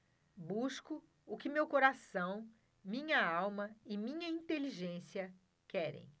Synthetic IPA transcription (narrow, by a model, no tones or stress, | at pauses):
buskʊ | ʊkɪmewkoɾasɐ̃w̃ | mĩɲɐawmɐɪmĩɲɐĩnt̪eliʒẽsiɐ | kɛɾḛ̃j̃